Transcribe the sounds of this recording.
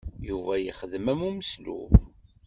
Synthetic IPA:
juvæjəχəðəmæmuməslṵv

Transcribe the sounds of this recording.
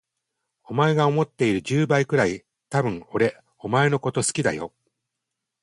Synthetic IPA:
o̞mae̞ɡao̞mo̞t̪ːe̞iɾɯ̟ʑɨːbaikɯ̟ɾai | t̪abɯ̟̃ɴo̞ɾe̞ | o̞mae̞no̞ko̞t̪o̞sɨ̥kʲid̪a̰jo̞̰

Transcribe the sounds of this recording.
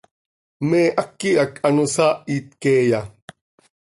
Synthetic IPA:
meːʔɐkːiɐkʰɐnusaːʔiːt̪̚keːja

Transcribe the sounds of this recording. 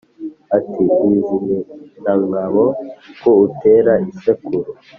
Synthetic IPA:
atiiːziɾenaŋaβokoute̞ɾaisekuɾo

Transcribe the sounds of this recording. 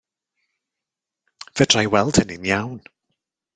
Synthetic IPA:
v̥ədrajwɛlˠd̥hənɪnjawn

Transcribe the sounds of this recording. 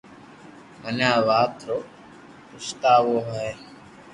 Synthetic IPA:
mənaːʋaːt̪ɾo | pʊst̪aːʋoːɦɛː

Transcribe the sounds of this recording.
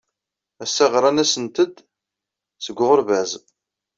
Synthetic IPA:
æsːæʁɾˤɑnæsənt̪əd̪ | səɡʷːʁəɾvæz

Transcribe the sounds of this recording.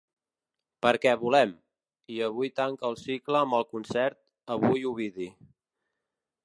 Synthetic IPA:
pəɾkɛβulɛm | iəβ̞ujt̪aŋkəːlˠsikləːmbəlˠkunsɛɾt̪̚ | əβujuβiði

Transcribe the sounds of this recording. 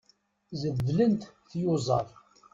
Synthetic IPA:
zəðlənt̪θjʊzˤɑ̰ɾˤ

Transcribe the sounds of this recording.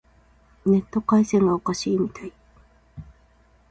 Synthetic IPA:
ne̞t̪ːo̞kaisẽ̞ŋɡaokaɕiːmʲit̪ai

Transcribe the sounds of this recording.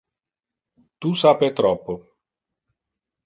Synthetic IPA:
t̪usapet̪ɾɔpːo

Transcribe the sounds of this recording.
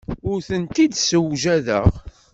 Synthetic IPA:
ʊɾθənt̪id̪səwʒæðə̰ʁ

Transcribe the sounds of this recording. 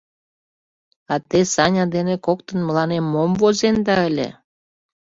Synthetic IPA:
ɑt̪esɑnʲɑd̪enekok̚t̪ə̆nməlɑnemːomvozend̪ɑəlʲḛ

